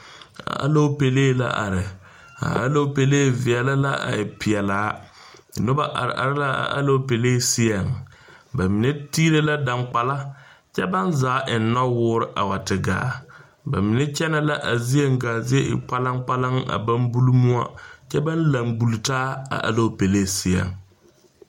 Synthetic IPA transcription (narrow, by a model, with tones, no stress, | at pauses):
a̰˨ʔa̰˦lo˦pe˨leː˦˨la̰˦ʔa̰˨ɾɪ˨ | a̰˨ʔa̰˦lo˦pe˨leː˦˨vɪ˨ɛ˨la˦la˦ʔa̰˨ɪ˨pɪ˨ɛ˨laː˨˦˨ | nʊ˦ba˦ʔa̰˨ɾʔa̰˨ɾɪ˦la˦a̰˨ʔa̰˦lo˦pe˨leː˦˨sɪ˦a˨ŋ | ba˨mi˨ne˦tiː˦le˦la˦da˨ŋk͡pa˨la˦t͡ʃɛ˦ba˦nzaː˨˦ʔɪ˨n˦nɔ˦wʊː˦ɾɪ˨˦ʔa˨wa˨tɪ˨ɡa̰ː˨˦ | ba˨mɪ˨ne˦t͡ʃɛ˦na˦la˦ʔa˨zi˦e˦ŋ˦ɡaː˨zɪ˦e˦ʔɪ̰˨k͡pa˦la˦ŋ˦k͡pa˦la˦ŋa̰˨ba˦nbu˦lu˦mu˦a̰˦t͡ʃɛ˦ba˦nla˨ŋbu˨ltaː˦a̰˨ʔa̰˨lo˦pe˨le˦˨sɪ˦ɛ̰˨ŋ